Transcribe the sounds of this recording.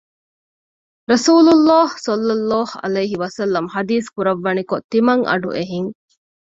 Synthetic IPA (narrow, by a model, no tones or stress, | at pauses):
ɾɐsuːlulːaːhsɐlːɐlːaːhɐ̰lɐjːɦiʋɐsɐlːɐmhɐd̪iːskuɾɐʋːɐnikot̪ːimɐŋʔɐ̰ɖṵʔeɦiŋ